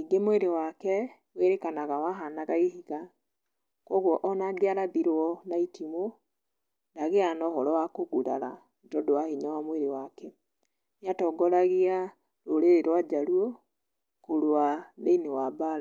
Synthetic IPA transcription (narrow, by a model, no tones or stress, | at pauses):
niɡemweɾewakɛ | weɾekanaɣawaɦanaɣaiɦiɣa | kɔɣwɔʔɔnaɡeaɾabiɾɔnaitimo | ndaɣeanɔhɔɾɔwakoɣuɾa̰ɾa | ndɔdowaheɲawamweɾewakɛ | njatɔɡɔɾaɣia | ɾoɾeɾeɾwad͡ʒaɾuɔ | koɾwaðeinewabaɾa